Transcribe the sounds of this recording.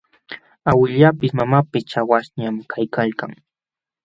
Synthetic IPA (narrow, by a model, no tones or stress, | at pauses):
awɪʎapɪsmamapɪst͡ʃawasɲamkʰajkʰalkaŋ